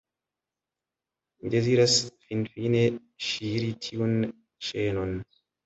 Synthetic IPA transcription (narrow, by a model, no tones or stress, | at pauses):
d͡ʒeziɾasfinfine | ʃiːɾitʰiun | ʃeːnɔn